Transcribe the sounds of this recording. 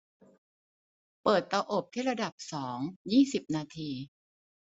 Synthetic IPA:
pɤː˨˩t̪ːaː˧ʔo˨˩p̚t̪ʰiː˥˩ɾa˧da˨˩p̚sɔː˩˦ŋjiː˥˩si˨˩p̚naː˧t̪ʰiː˧

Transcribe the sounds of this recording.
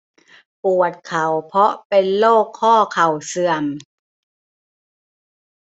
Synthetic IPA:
pu˨˩ət̪̚kʰa˨˩wpʰɔ˦˥ʔpe˧nloː˥˩kʰːɔː˥˩kʰa˨˩wsɯ˨˩əm

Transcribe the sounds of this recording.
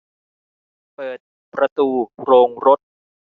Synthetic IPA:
pɤː˨˩t̪̚ | pɾa˧t̪uː˧ɾoː˧ŋɾo˦˥t̪̚

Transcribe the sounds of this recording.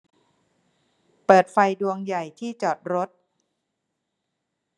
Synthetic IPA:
pɤː˨˩t̪̚fa˧jdu˧əŋja˨˩jt̪ʰiː˥˩t͡ɕɔː˨˩t̪̚ɾo˦˥t̪̚

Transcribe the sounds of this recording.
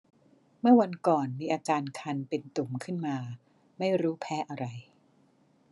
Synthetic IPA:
mɯ˥˩ɐwa˧nkɔː˨˩nmiː˧ʔaː˧t͡ɕaː˧nkʰa˧npe˧nt̪u˨˩˦mkʰɯ˥˩nmaː˧ | ma˥˩jɾuː˦˥pʰɛː˦˥ʔa˧ɾa˧j

